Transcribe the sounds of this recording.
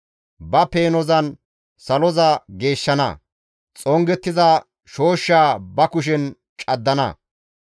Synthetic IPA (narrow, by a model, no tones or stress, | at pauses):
bɐpe̞ːnɔzɐn | sɐlɔzɐɡe̞ːʃːɐnɐ̰ | t͡sʼɔŋɡɛt̪ːɪzɐ | ʃo̞ːʃːaːbɐkʊʃ̬ɛn | t͡ʃʼɐd̪ːɐnɐ̰